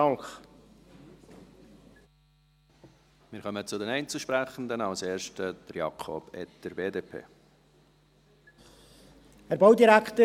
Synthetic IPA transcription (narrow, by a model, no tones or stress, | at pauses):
ɑŋk | mɪːɾχœmət͡sʊdɛnɛɪnt͡suʃpɾæχən̩d̪ənɑʊseːɾʃtəd̪̥əɾjɑ̰kʰɔ̰b̥ɛtdəɾbeːdeːpʰḛː | hɛɾbɑwdiɾækt̪ə